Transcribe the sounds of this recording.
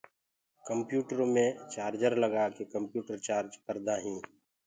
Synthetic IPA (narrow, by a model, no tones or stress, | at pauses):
kə̃mpjuːʈəɾõmẽt͡ʃaːɾd͡ʒəɾləɡakekə̃mpjuːʈəɾt͡ʃaːɾd͡ʒpəɾd̪aɦĩː